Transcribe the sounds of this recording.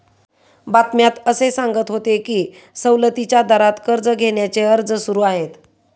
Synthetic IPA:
bat̪mjat̪əsesaŋɡət̪ɦot̪ekiː | səwlət̪it͡ɕjad̪əɾat̪kəɾd͡zəɡʱeɳjat͡seəɾd͡zəsuɾuːaɦet̪

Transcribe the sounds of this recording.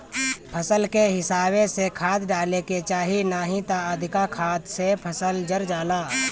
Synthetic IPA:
pʰəsəlkeɦɪsaːbesekʰaːt̪ɖaːleket͡ʃaːɦinaːɦit̪aəd̪ʱɪkakʰaːt̪sepʰəsəld͡ʒəɾd͡ʒaːlaː

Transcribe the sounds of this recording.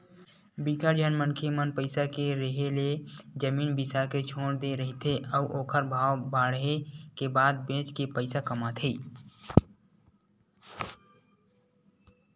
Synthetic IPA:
bikəɾd͡ʒənmənkʰemənpəɪsakeɾəɦeled͡ʒəmiːnbisaket͡ʃʰoːɽd̪eɾəɦit̪ʰeʔəuʔoːkʰəɾbʱaːwbaːɽɦekebaːd̪̚bẽːt͡ʃkepəɪsakəmat̪ʰiː

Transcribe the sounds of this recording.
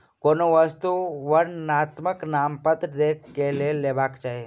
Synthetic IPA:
konoʋəst̪uʋənnat̪məknampət̪d̪ekʰkːeleleʋakt͡ʃaːɦe

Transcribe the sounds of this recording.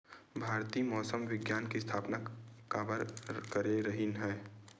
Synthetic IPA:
bʱaːɾt̪iːmɔːsəmʋɪɡjaːnkist̪ʰaːpnakabəɾkəɾeɾəɦinɦɛː

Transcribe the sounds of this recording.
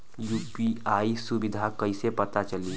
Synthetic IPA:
juːpiaːisʊbɪd̪ʱakɐisepɐt̪at͡ʃɐliː

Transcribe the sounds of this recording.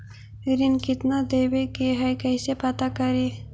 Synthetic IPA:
ɾinkit̪nad̪ewekeɦajkajsepat̪akaɾi

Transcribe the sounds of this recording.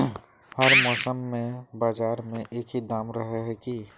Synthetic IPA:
hɐɾmɔːsəmːẽbaːd͡ʒaːɾmẽʔeːkid̪aːmɾəɦeɦɛki

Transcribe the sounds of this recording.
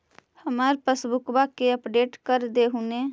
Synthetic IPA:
həmaːɾpəsbʊkbakeəpɖeːʈkəɾd̪eɦune

